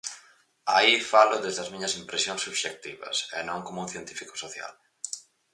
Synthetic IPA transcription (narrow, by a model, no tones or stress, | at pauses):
aifalʊðezðɐzmĩɲɐsimpɾesjõŋsːuβʃek̚t̪iβɐ̰sḛnõŋkomounθjent̪ifiko̥soθja̰l